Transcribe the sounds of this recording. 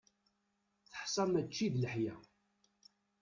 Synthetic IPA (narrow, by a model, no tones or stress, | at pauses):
θə̥ħsˤɑmæt͡ʃːiðləħjæ